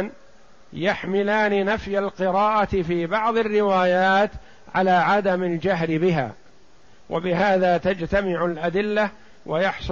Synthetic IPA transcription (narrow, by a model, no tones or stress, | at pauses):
n | jaħmɪlaːninafjalqɪɾɑːʔat̪fiːbɑʕðˤɪrːɪwaːjaːt̪ | ʕalaːʕad̪amald͡ʒaɦlɪbɪɦa̰ː | wʔa̰bɪɦaːðaːt̪ad͡ʒt̪amɪʕʊlʔad̪ɪlːa | wajɑħsˤ